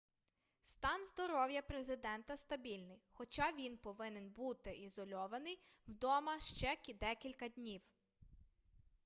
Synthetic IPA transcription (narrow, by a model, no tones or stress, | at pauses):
st̪ɑnzd̪ɔɾɔwjɐpɾezɪd̪ɛnt̪ɐst̪ɐbʲilʲnɪjxɔt͡ʃɑʋʲinpɔʋɪnenbut̪ɪʔizɔlʲɔʋɐnɪjwd̪ɔmɐʃt͡ʃɛkʲd̪ɛkʲilʲkɐd̪ʲnʲiw